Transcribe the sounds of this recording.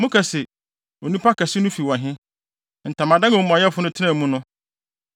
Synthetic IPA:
mʊ̃˦kʰa˨sɛ˨ | o˨nũ˦pʰa˦kʰa˨sɪ˦nʊ̃˦fi˨wɔ̃˨ɦɪ̃˦ | n̩˨tʰã˨mã˨dã˦ŋa˨˦mʊ̃˨a˨jɛ˦fʊ˦nʊ̃˦tʰɪ˦nã˦˨mũ˦nʊ̃˦

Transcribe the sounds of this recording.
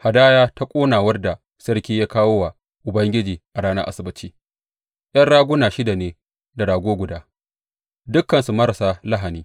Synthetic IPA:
ha˨daː˦jaː˦ta˦kʷʼoː˦naː˨wɐ˦rda˨ | sɐ˦rkʲiː˦ja˦kaː˦woː˦wa˨ | ʔʊ˨bɐ˦ŋɡʲɪ˦d͡ʒiː˨ʔa˨ɽaː˦nɐ˦ʔa̰˦sɪ˨bɪ˦t͡ʃiː˦ | j̰ɐ˦nɽaː˦ɡʷʊ˦naː˨ʃɪ˦da˨neː˨ | da˨daː˨ɡʷoː˦ɡʷʊ˨daː˦ | dʊ˦kːɐ˨nsu˨mɐ˦ɾa˨sa˦la˦ɦa˨niː˦

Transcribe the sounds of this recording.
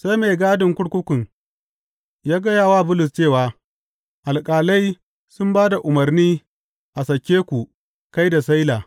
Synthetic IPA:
sa˦jme˨ɡaː˦dɪ˨ŋkʷʊ˦ɽkʷʊ˦kʷʊ˨ŋ | jaː˦ɡɐ˦jaː˦˨waː˦˨bʊ˦lʊ˨st͡ʃeː˦˨waː˨ | ʔa˨lkʼaː˨la˦j | sʊ˦mbaː˦da˨ʔʊ˨mɐ˨rniː˦ | ʔa˨sɐ˨kʲeː˦kʷu˨ | ka˦jda˨sa˦jlaː˨

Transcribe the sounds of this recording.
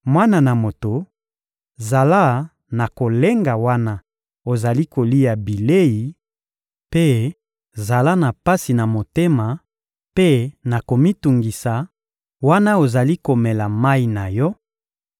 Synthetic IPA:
mwa˦na˨na˨mo˨to˨ | za˨la˦ | na˨ko˨le˦ŋɡa˨wa˦na˦ | o˨za˨li˦ko˨li˦ja˨bi˨le˦ji˨ | pe˦ | za˨la˦na˨pa˦si˨na˨mo˨te˦ma˨ | pe˦na˨ko˨mi˦tu˨ŋɡi˨sa˨ | wa˦na˦o˨za˨li˦ko˨mɛ˨la˨ma˦i˨na˨jɔ˦

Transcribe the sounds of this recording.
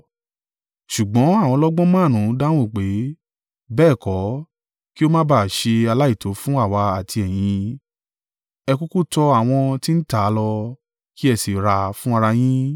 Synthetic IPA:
ʃu˨ɡ͡bɔ̃˨˦a˦˨w̃ɔ̃˧lɔ˦ɡ͡bɔ̃˦mãː˦˨nũ˨˦da˦w̃ũ˦˨k͡pe˨˦ | bɛː˦˨kɔ˨˦ | ki˦o˦mã˦ba˦˨ʃe˧a˧la˦i˦˨tʰo˨˦fũ˦a˦˨wa˧a˨tʰi˧ɛ˨j̃ĩ˧ | ɛ˧ku˦ku˦tɔ˧a˦˨w̃ɔ̃˧ti˦n̩˦ta˦lɔ˧ | ki˦ɛ˧si˨ɾa˧fũ˦a˧ɾa˧j̃ĩ˦

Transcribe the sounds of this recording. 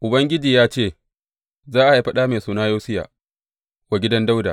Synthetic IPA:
ʔʊ˨bɐ˦ŋɡʲɪ˦d͡ʒiː˨jaː˦t͡ʃeː˦˨ | zaː˦ʔa˨ji˦ɸɐ˦ɗaː˦meː˨suː˨naː˦joː˦sɪ˦ja̰ː˨ | wa˨ɡʲɪ˦dɐ˦nda˦wda̰˨

